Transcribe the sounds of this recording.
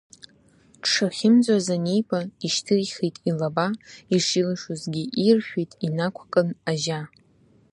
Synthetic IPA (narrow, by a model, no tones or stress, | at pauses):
ʈ͡ʂʰaχʲɪmd͡zʷʼazane̞jpʼaiʃtʰɨrχijtʼilabaiʂilɨʂʊzɡʲiʔirʃᶣijtʼinakʷʰkʼɨnaʒa